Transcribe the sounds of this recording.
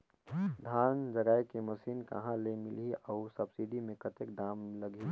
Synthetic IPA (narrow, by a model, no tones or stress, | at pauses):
d̪ʱaːnd͡ʒɐɡaːjkemɐsiːnkɐ̰ɦãlemɪliɔʊsɐbsiɖimẽkət̪ek̚ɖaːmləɡʱi